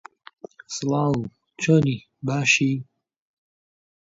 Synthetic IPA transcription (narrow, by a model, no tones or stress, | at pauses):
sɨlɑːw | t͡ʃʰoni | baːʃi